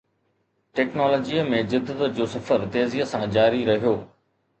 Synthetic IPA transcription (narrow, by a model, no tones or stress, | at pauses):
ʈɛːknɔːlɔːd͡ʑiːəmẽzɪd̪ːət̪əd͡ʑoːsɐfəɾt̪eːziəsãd͡ʑaːɾiɾɐɦijoː